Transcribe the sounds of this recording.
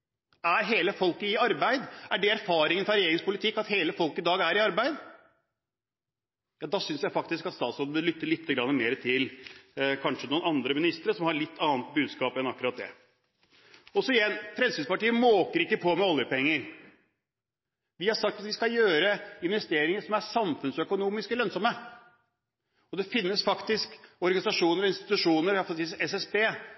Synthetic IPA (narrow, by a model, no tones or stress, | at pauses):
æɾɦeːləfɔlkəɪɑɾbæɪd̪æɖɛæɾfɑːɾɪŋənəfɾɑɾɛjeːɾɪŋspʊlɪt̪ʰɪkːɑt̪heːləfɔlkːɪd̪ɑːɡæɾɪɑɾbæɪd̪ | jɑːd̪ɑːsʏnsjæɪfɑk̚t̪ɪskɑt̪st̪ɑːt̪sɔləbəlʏt̪ːəlɪt̪ːəɡɾɑnːəmeːɾət̪ʰɪlkʰɑnʂənuːnɑnd̪ɾəmɪnɪst̪ɾəsɔmhɑɭɪt̪ːɑːnt̪̚bʉːd̪skɑːpɛnɑkːʉɾɑt̪̚d̪ɛ̰ | ɔsɔɪjɛnːfɾɛmsinspɑʈiːəmoːkəɾɪkːəpʰɔmɛɔljəpɛŋːəɾ | ʋɪhɑɾʂɑkt̪ɑt̪ʋɪskɑjøːɾəɪnʋɛst̪eːɾɪŋəʂɔmæsɑmfʉnsœkʊnuːmɪskəlœnsɔmə | ɔd̪ɛfɪnːəsfɑkt̪ɪskɔɾɡɑnɪsɑʂuːnəɾɔɪnst̪ɪ̥t̪ʉʂuːnəɾɑfɔsiːsɛsɛspeː